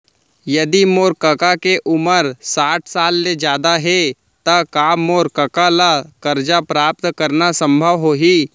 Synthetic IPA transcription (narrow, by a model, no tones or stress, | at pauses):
jɐd̪imoːɾkəkakeʔʊməɾsaːʈʰsaːlːed͡ʒjaːd̪aɦe | t̪akaːmoːɾkəkalakəɾd͡ʒapɾaːp̚t̪kəɾnasə̃mbʱəʋɦoɦiː